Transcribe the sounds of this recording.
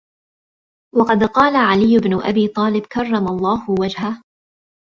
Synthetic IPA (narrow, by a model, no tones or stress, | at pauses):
wɑqɑd̪qɑːlaʕalɪjːʊbnʊʔa̰biːt̪ˤɑːlɪbkɑrˤːɑmalˤːɑːhʊwad͡ʒha